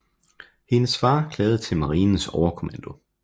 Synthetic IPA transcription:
he̝nəsfɑ̈ːkʰlɛːð̞̩ˠt͡sʰe̝lmɑ̈ʁiːnn̩sɒʊɐkʰo̝mænd̥o̝

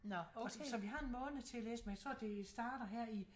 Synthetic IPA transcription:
nsɒ̽ʋiɦɑ̈e̝nmɔ̽ːnð̩ˠt͡sʰe̝ælḛːsəmenjat͡sʰʁɔ̝̰ɐ̰d̥e̝sd̥ɑ̈ːɾ̥ɐɦɛɐ̰i

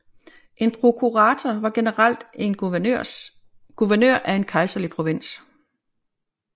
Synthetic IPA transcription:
ʔe̝npʰʁo̝kʰuʁɑ̈t͡sʰɐʋɑ̈ɡ̥e̝nəʁɑl̰d̥en | ɡ̥uʋɐnø̰ɐ̰ʔæe̝nkʰɑ̈ɪsɐlipʰʁo̝ʋe̝n̰s

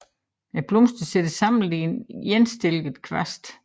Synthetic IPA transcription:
æb̥lɔmsd̥əsed̥əsɑ̈m̰nl̩dinjensd̥e̝lɡ̥ð̩ˠkʰʋæsd̥

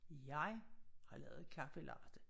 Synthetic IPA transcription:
jɑ̈ɪhɑ̈lɛ̰ːʊð̩ˠkʰæfəlɑ̰̈ːd̥ə

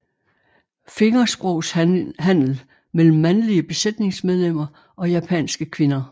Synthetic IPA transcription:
fe̝ŋɐsb̥ʁɔʊ̰shæn̰l̩ | mel̰m̩ːænliəb̥e̝sed̥ne̝ŋsmeð̞ˠlem̰ɐ | ʔɒ̽jæpʰɛ̰nsɡ̥əkʰʋe̝nɐ

